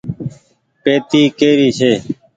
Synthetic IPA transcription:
peːt̪iːkeːɾiːt͡ʃʰeː

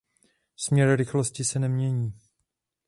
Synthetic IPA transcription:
smɲɛɾɾɪxloscɪsɛnɛmɲɛɲiː

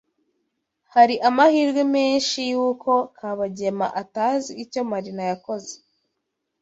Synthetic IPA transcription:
haɾiʔamahiːɾɡwemeːnʃijuːkʰo̞kʰaβaɟe̞ma̰ʔataːziːco̞maɾinajako̞ze̥

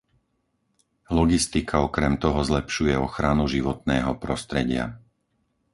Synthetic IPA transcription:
lɔɡist̪ikʰaɔkɾɛmt̪ɔɦɔzlɛpʃujɛɔxɾanuʒiʋɔt̪nɛːɦɔpɾɔst̪ɾɛɟɪa̰

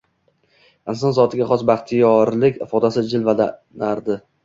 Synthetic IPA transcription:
ɪnsɒnzɒt̪ʰɪɡʲaχɒsbaχt̪ʰɪjɒɾlɪkʲɪfɒd̪asɪd͡ʒɪlvad̪anaɾd̪ɪ

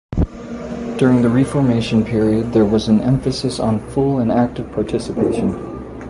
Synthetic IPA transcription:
d̥ʊɹɪ̃ŋðɨɹifɔɹmeɪʃɨ̃n̩pʰɪɹiɨd̪̚ðə˞wʌz̃n̩ʔɛ̃ɱfɨsɨsn̩fʊlˠə̃næk̚tɨv̥pʰɑɹtʰɪsɨpʰeɪʃɨ̃n

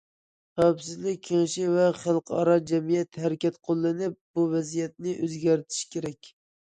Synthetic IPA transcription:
χæwpsɪzlɪk̚ʲʰːɪŋʃivɛχælˠqʰɑɾɑd͡ʒɛmijɛt̪hæɾɪkʲɛt̪qʰolˠːɨnɪp̚buvɛzijɛt̪̚nɪʔøzɡʲæɾt̪ʰɪ̥ʃkʲeɾɛkʲ

